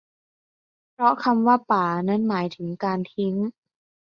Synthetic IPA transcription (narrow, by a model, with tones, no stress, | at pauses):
pʰɾɔ˦˥kʰa˧mwaː˥˩paː˩˦na˦˥˨nmaː˩˦jt̪ʰɯ˩˦ŋkaː˧nt̪ʰi˦˥ŋ